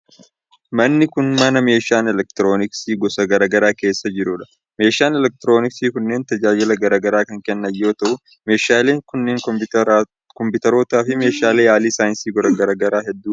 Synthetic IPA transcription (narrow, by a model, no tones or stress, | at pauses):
mɐnːɪkʊnmɐnɐme̞ːʃaːnɛlɛk̚t̪ɾo̞ːnɪksiːɡɔsɐɡɐɾaːɡɐɾaːke̞ːsːɐd͡ʒɪɾʊᶑɐ̥ | me̞ːʃaːnɛlɛk̚t̪ɾo̞ːnɪksiːkʊnːe̞ːnt̪ɐd͡ʒaːd͡ʒɪlɐɡɐɾaːɡɐɾaːkɐŋkɛnːɐjːo̞ːt̪ɐʔʊ | me̞ːʃaːle̞ːŋkʊnːeːŋ | kɔmpʊt̪ɐɾo̞ːt̪aːfɪme̞ːʃaːleːjaːliːsaːjɪnsiːɡɔɾɐɡɐɾɐɡɐɾaːɦɛd̪ːuː